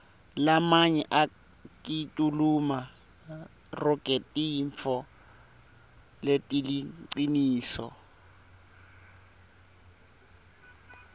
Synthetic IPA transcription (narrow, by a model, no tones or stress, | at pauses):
lamaɲɛʔa | kʼitʼuluma | rʊkʼetʼiɱfʰɔ | letʼiliǀiniːsɔ̰